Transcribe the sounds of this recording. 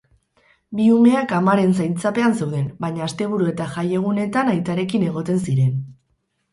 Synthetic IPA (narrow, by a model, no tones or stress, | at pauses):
biume̞akamaɾe̞nsajnt͡sape̞anse̞wðe̞nbaɲaːst̪e̞β̞uɾue̞t̪aʝaje̞ɣ̞une̞t̪anajt̪aɾe̞kine̞ɣo̞t̪e̞nsiɾe̞n